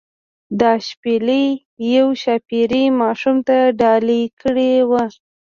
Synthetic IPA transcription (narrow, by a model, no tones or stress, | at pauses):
d̪ɑʃpeləj | jawʃapiɾimɑʃumt̪aɖɑlikəɽewa